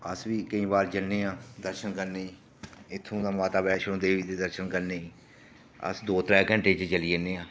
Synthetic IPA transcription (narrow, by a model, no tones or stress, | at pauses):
əsʋiːkəĩːbaːɾd͡ʒəlneːãːd̪əɾʃənkəɾneːiː | ɪt̪ʰːũːd̪aːmaːt̪aːbɛːʃõd̪eːʋiːt̪eːd̪əɾʃənkəɾneːiː | ə̰sd̪oːt̪ɾɛːkəɳʈeːt͡ʃt͡ʃəliːeneːãː